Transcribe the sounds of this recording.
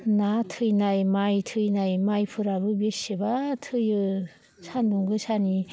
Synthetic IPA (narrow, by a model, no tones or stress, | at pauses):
natʰɯjnajmajtʰɯjnajmajpʰɯɾabɯbesebatʰɯjɯ | sanduŋɡɯsani